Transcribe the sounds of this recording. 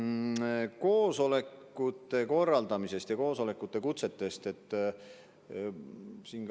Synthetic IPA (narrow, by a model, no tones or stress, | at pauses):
ko̞ːso̞le̞kːut̪ːˑe̞ko̞rːɑld̪ɑmise̞st̪jɑko̞ːso̞le̞kːˑut̪ːˑe̞kut̪se̞t̪ːe̞st̪e̞t̪ːˑ | sin